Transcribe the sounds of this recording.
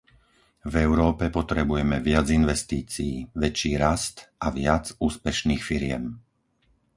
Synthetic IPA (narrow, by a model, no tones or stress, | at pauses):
vɛʊɾɔːpɛpɔt̪ɾɛbujɛmɛʋɪad͡zinʋɛst̪iːt͡siiːʋɛt͡ʃiːɾast̪aʋɪad͡zuːspɛʃniːxfiɾɪɛ̰m